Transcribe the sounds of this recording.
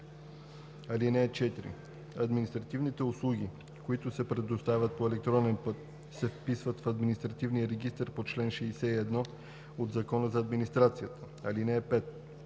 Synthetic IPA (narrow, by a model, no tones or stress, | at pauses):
ɐlinɛɛt͡ʃɛt̪iɾḭ | ɐd̪minist̪ɾɐt̪ivnit̪ɛʊslˠuɡ̟ʲi | koit̪ʊsɛpɾɛd̪ʊst̪avʲət̪̚poɛlɛk̚t̪ɾɔnɛnpɤt̪ | sɛfpisvət̪fɐd̪minist̪ɾɐt̪ivnijəɾɛɡist̪əɾpot͡ʃlɛnʃɛisɛiɛd̪nɔ | od̪zɐkɔnəzɐːd̪minist̪ɾat̪sijət̪ə̥ | ɐlinɛɛpɛt̪̚